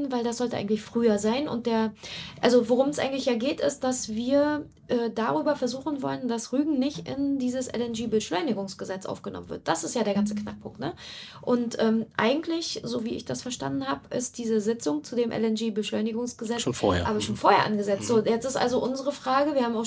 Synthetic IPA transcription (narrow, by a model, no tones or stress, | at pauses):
n̩vaɪldasz̥ɔltəʔaɪɡŋ̩tlɪçfʁ̥yːɐzaɪnʊ̰nt̚d̥eːɐʔalzovoʁ̞ʊmɛsʔa̰ɪɡŋ̩tlɪçjaːɡeːtɪ̰st̚d̥asv̥iːɐ | ʔɛːdaʁyːbɐfɛɐzuːχn̩vɔ̰lənd̥asʁyːɡŋ̩nɪçtʔɪ̰ndiːzəsʔɛ̰lɛnɡeːbəʃlɔʏnɪɡʊŋsɡ̥əzɛt͡sʔa̰ʊfɡ̥ənɔ̰mənvɪ̰ɐt̚d̥asɪstjaːɾeːɐɡant͡səknak̚pʰʊŋk̚tnə | ʔʊntʔɛːmʔa̰ɪɡŋ̩tʰlɪçzoːviːɪ̰çd̥asfɛɐʃta̰ndn̩haːbʔɪ̰st̚d̥iːzəzɪt͡sʊŋt͡sudeːmʔɛ̰lɛnɡeːbəʃlɔʏnɪɡʊŋsɡ̥əzɛt͡sʃːʔaːbɐʃoːnfoːɐheːɐʔa̰nɡəzɛt͡stz̥oːjɛt͡stɪstʔa̰lzoʔʊnzəʁəfʁ̥aːɡəviːɐhaːbmaʊ